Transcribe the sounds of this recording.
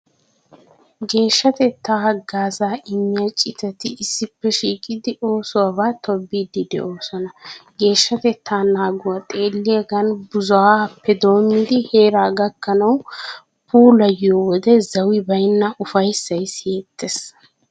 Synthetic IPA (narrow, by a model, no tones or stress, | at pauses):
ɡe̞ːʃːɐt̪ɛt̪ːaːhɐɡaːzaːʔɪmːɪjat͡ʃʼɪt̪ɐt̪ɪɪsːɪpːɛʃiːkʼɪd̪ɪʔo̞ːsʊwabaːt̪ʰɔbːiːd̪ɪd̪ɛ̰ʔo̞ːsɔnɐɡe̞ːʃːɐt̪ɛt̪ːaːnaːɡʊwat̪ʼe̞ːlːɪjɐɡɐnbʊzʊapːɛd̪o̞ːmːɪd̪ɪhe̞ːɾaːɡɐkːɐnɐw | puːlɐjɪjɔwɔd̪ɛzɐwɪbɐjnːɐʔʊfɐjsːɐjsjeːt̪ːɛs